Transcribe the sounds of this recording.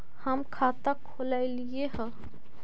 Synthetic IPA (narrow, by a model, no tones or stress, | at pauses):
həmkʰat̪akʰolaɪlijeɦə